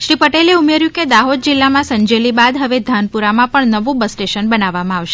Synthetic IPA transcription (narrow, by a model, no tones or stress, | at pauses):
ʃɾipəʈeleumeɾjũked̪aɦod̪̚d͡ʒɪlːamãsə̃ɲd͡ʒelibad̪ɦəʋed̪ʱanpuɾamãpəɳnəʋõbəsʈeʃənbənaʋːamãaʋʃe̥